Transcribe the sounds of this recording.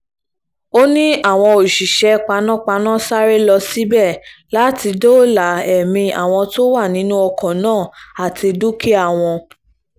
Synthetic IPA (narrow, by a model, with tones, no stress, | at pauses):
o˦nĩ˦ʔa˦˨w̃ɔ̃˧o˨ʃi˨ʃɛ˨˦k͡pa˧˦nã˦˨k͡pa˧˦nã˦˨sa˦ɾe˦lɔ˧si˨˦bɛ˦˨la˨˦ti˧do˦˨la˨ɛ˨mĩ˧a̰˨w̃ɔ̃˧to˦wa˦˨nĩ˨˦nũ˦ɔ˧kɔ̃˨nãː˦˨a˨tʰi˧du˦kʰe˦a˦˨w̃ɔ̃˧